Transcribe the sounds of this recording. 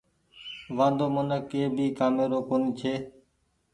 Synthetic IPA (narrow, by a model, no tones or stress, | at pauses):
ʋãːnd̪oːmənəkeːbʱiːkaːmeːɾoːkoːniːt͡ʃʰeː